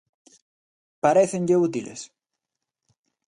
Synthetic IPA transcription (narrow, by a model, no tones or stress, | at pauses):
paɾeθeŋʎeut̪ilḛs